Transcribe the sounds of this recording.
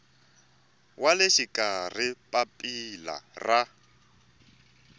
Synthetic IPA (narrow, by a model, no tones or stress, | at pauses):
walɪʃikʼar̤ipʼapʼila̰ra